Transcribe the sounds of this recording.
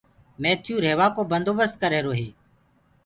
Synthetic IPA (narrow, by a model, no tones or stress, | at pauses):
meːt̪ʰjuːɾeːʋaːkoːbənd̪oːbəst̪̚kəɾeːɾoːɦeː